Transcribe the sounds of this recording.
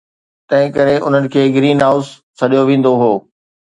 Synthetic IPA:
t̪ɐ̃ɦɪ̃kɐɾeʔʊ̰n̤ənɪ̆kʰeːɡɾiːnɦaːʊs | sʰɐɗijoʋẽːn̆d̪oɦoː

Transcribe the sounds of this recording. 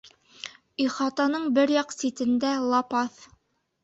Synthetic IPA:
iχɑt̪ɑnɤɴbɘɾjɑqsit̪ɘ̆nd̪ælˠɑpɑθ

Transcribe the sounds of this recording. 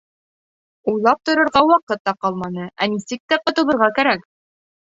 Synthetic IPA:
ujlˠɑp̚t̪ŏɾɤ̆ɾʁɑwɑqɤt̪ːɑqɑlˠmɑnɤʔænisɘk̚t̪æqŏt̪ɤ̆lˠɤ̆ɾʁɑkæɾæk

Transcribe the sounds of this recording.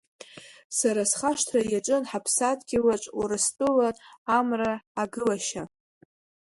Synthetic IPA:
saɾasχaʂtʰrajaʈ͡ʂʼɨnħapʰsatʰʼɡʲɪwat͡ʃʷʼwurɨstʼɨlaamraːɡɨlaʃa

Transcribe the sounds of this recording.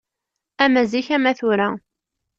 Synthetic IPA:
æmæziçæmæθʊɾæ

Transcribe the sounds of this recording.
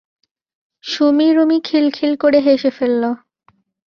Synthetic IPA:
ʃomiɾumikʰilkʰilkoɽeɦeʃefelːo

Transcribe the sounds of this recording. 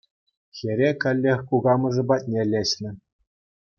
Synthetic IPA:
xʲeɾʲekʲɘ̆lʲːexʲkuɡɑmɤ̆ʐɤ̆bɑt̚ʲnʲelʲeɕnʲɘ̆

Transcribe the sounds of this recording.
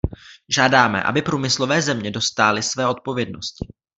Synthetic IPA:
ʒaːdaːmɛ̰ʔa̰bɪpɾuːmɪslo̞vɛːzɛmɲɛdo̞st̪aːlɪsvɛːo̞t̪̚po̞vjɛdno̞̰scɪ̥

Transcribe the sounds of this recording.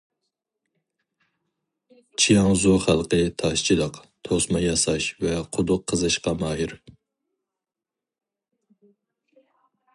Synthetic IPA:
t͡ʃʰijɑŋzoχælˠqət̪ʰɑʃt͡ʃʰid̪ɑqt̪ʰosmɑjɑsɑʃvɛqʰʊd̪ʊqʰːəzɨʃqɑmɑːɦiɾ

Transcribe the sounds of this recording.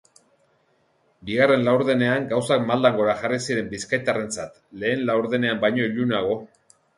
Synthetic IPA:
biɣare̞nlawɾðe̞ne̞aŋɡawsakmald̪aŋɡo̞ɾaʝarisiɾe̞mbiskajt̪are̞nt͡sat̪le̞ːnlawɾðe̞ne̞ambajɲo̞iʎunaɣ̞o̞

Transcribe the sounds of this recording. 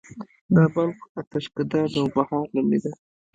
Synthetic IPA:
d̪abalkat̪aʃkɪd̪ɑd̪awbahɑɾlamid̪a

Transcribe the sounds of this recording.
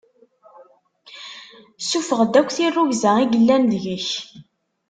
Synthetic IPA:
sufəʁd̪ækʷːθirˤːuʝzæiɡəlːænðʝəç

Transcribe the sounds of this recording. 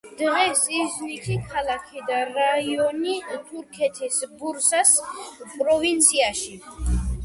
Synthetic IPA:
d̪̥ʁɛsiznit̪ʰikʰalˠakʰid̪aɾaiɔnit̪ʰuɾkʰɛt̪ʰisbuɾsaspʼɾɔvint̪sʰiaʃi

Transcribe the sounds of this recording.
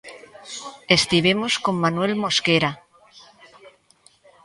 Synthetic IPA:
est̪iβemosko̞mːanwelmo̞skeɾa

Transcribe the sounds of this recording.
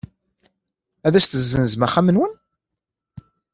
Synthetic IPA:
æðæst̪əzːənzmæχːæmənwən

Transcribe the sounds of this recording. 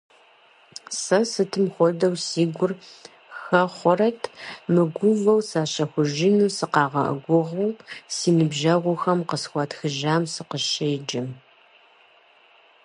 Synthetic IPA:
sɐsɨtʰɨmχʷɔdɐwsiːɡʷʊr | xɐχʷɔrɐtʰmɨɡʷʊvɐwsaːɕɐxʷʊʒɪnusɨqɑːʁɐ̰ʔɐ̰ɡʷʊʁɐwsiːnɨbʒɐʁʷʊxɐmqəsxʷɐtxɨʒaːmsɨqəʃɐjd͡ʒɪm

